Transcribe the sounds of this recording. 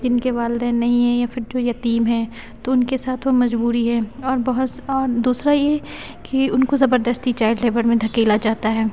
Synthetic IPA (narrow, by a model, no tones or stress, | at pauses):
d͡ʒɪnkeʋaːlɪd̪ɛ̃ːnːɐɦĩɦɛ̃jafʰɪɾd͡ʒoːjɐt̪iːmɦɛ̃ː | t̪oʊnkesaːt̪ʰʋomɐd͡ʒbuːɾiɦɛːɔːɾbɐɦʊt̪ɔːɾd̪uːsɾajeɦɛ | kiʊnkozɐbəɾd̪əst̪it͡ʃaːɪɖleːbəɾmẽd̪ʱɐkeːlad͡ʒaːt̪aɦɛː